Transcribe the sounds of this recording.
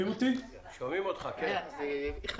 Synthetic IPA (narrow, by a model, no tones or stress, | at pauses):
imot̪i | ʃomimot̪χakeazeiχ